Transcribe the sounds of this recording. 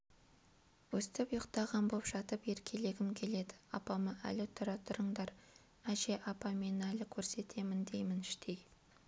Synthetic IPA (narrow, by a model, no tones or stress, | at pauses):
wɵst̪ɪpjəqt̪ɑʁɑnbopʒɑt̪əpe̞ɾkʲʰe̞le̞ɡʲɪmkʲʰe̞le̞d̪ɪ̥ɑpɑməʔæ̰lɪt̪ʰʊɾɑt̪ʰʊɾəɴd̪ɑɾ | æʒe̞ʔɑpɑme̞nælɪkʲʰɵɾse̞t̪ʰe̞mɪnd̪e̞jmɪnɪʃt̪ʰe̞j